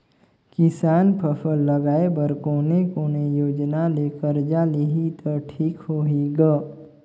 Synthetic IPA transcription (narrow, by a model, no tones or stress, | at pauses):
kɪsaːnpʰəfʰəlːəɡaːebəɾkoːnekoːnejoːd͡ʒnaleːkəɾd͡ʒaːliɦit̪ʰəʈʰiːkhoːɦiɡə